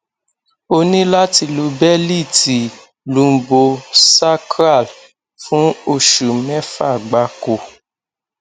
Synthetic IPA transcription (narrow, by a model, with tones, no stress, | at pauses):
o˧nĩ˦la˦ti˧lo˧bɛ˦li˦˨ti˨ | lũ˨bo˧sa˦kɾa˦˨l | fũ˦o˧ʃu˨mɛ˦fa˦˨ɡ͡ba˨˧ko˧˨